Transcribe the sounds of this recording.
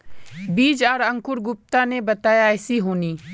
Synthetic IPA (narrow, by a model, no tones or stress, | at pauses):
biːd͡ʒaːɾɐ̃ŋkʊɾɡʊp̚t̪ãnebɐt̪aːjaɪsiɦoːniː